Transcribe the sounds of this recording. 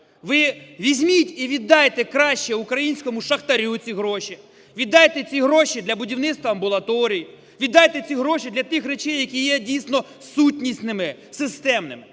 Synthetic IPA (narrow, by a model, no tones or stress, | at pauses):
ʋɪʋʲizʲmʲitʲiʋʲid̪ːɑjet̪ɛkɾɑʃt͡ʃɛʊkɾɐjinʲsʲkɔmʊʃɐxt̪ɐɾʲut͡sʲiɦɾɔʃi | ʋʲid̪ːɑjet̪ɛt͡sʲiɦɾɔʃid̪lʲɐbʊdʲiwnɪt̪st̪ʋɐɐmbʊlˠɐt̪ɔɾʲij | ʋʲid̪ːɑjet̪ɛt͡sʲiɦɾɔʃid̪lʲɐt̪ɪxɾet͡ʃɛjːɐkʲijɛdʲijsʲnɔ | sutʲnʲisʲnɪmɪsɪst̪ɛmnɪ̰mɪ